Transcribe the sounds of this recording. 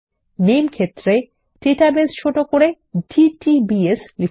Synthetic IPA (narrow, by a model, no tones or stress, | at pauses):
nemkʰet̪ːɾe | ʈeʈabest͡ʃʰoʈokoɾe | ɖiʈibiesli